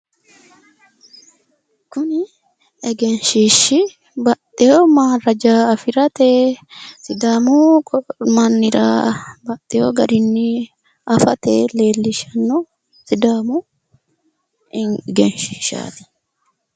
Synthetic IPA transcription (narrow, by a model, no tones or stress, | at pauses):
kʊnɪ | ɛɡɛnʃiːʃɪ | bɐt̪ʼːɛjoːmaːrɐd͡ʒaːɐfɪɾɐt̪eːsɪd̪aːmu | mɐnːɪɾa̰ːbɐt̪ʼːɛjoɡɐɾɪnːɪ | ɐfɐt̪eːle̞ːlːɪʃɐnːo | sɪd̪aːmu | ɡɛnʃiːʃa̰ːt̪ɪ̥